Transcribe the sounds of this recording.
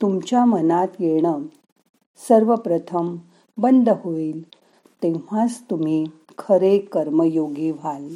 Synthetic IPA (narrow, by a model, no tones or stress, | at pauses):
t̪umt͡ɕjamənat̪jeɳ̃ə | səɾʋəpɾət̪ʰəm | bənd̪ʱəɦoiːl | t̪ẽʋ̤ast̪um̤iː | kʰəɾekəɾməjoɡiːʋal